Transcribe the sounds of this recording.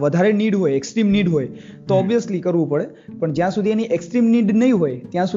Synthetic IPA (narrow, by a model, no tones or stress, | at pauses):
ʋəd̪ʱaɾeniɖɦojeksʈɾimniɖɦoj | t̪oɔbijəslikəɾʋũpəɽe | pəɳd͡ʒjãsud̪ʱieniʔeksʈɾimniɖnəɦĩɦojt̪jãsu